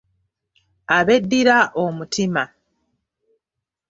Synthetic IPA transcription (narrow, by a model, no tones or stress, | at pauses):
aβe̞dːiɾaʔomutʰima